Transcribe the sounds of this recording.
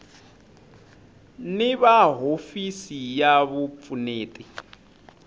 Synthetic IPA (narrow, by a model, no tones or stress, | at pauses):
nɪβaɦofisijaβup̪funeːtʼi